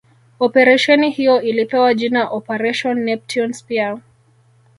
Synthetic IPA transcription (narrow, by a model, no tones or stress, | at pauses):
ɔpɛɾɛʃɛnihijɔʔilipɛwaʄinaʔɔpɛɾɛʃɔnːɛp̚tʰɔnspia